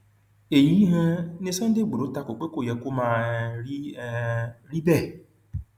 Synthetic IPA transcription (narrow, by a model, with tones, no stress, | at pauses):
e˨ji˨˦ɦẽ˦ne˦sɔ̃˦n̩˦de˦˨ɡ͡bu˨ɾo˨˦ta˧˦ko˨k͡pe˦ko˦˨jɛ˨ko˦mã˦˨˦ | ɾi˦bɛ˦˨